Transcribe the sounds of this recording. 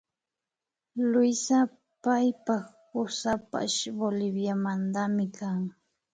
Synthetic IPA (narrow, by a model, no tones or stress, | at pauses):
lʊjsa | pajpaχ | pʊsapa̰ʃbolɪbjamand̪amɪkʰaŋ